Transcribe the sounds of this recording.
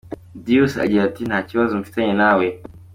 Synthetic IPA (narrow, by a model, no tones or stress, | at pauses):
diusa̰d͡ʒaɾtinat͡ʃiwazum̩fi̥taɲenawe